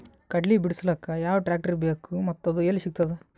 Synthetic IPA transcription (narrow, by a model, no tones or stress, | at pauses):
kɐɖlibiɽuslɐːkɐjaːʋɐʈɾaːk̚ʈɐɾbeːkumɐt̪ːɐd̪ueːlisik̚t̪ɐd̪e